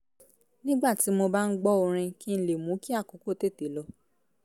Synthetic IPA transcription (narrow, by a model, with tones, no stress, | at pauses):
nĩ˦ɡ͡ba˦˨ti˨˦mo˧ba˦n̩˦ɡ͡bɔ˦o˧ɾ̃ĩ˧ki˦n̩˧le˨mũ˨˦ki˦a˦˨ko˨˦ko˦˨˦te˦˨te˨˦lɔ˧